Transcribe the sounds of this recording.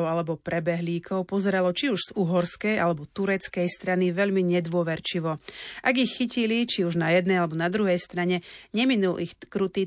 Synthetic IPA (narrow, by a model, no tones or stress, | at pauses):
alɛbɔpɾɛbɛɦliːkʰɔʊpɔzɛɾalɔt͡ʃiuʒz̥uɦɔɾskɛjalɛbɔt̪uɾɛt͡skɛjst̪ɾaniʋɛʎmiɲɛd̪ʋʊɔʋɛɾt͡ʃiʋɔʔaɡixːicilit͡ʃiuʒnajɛd̪nɛjalɛbɔnad̪ɾuɦɛjst̪ɾaɲɛɲɛminulʔixkɾut̪iː